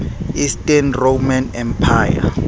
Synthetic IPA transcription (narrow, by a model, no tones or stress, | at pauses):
istʼɛnromanɛmpʰaːja̰